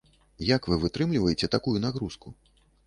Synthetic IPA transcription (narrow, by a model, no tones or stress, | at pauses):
jakvɨvɨt̪ɾɨmlʲivɐjɛt͡sʲɛt̪akujunaɣɾusku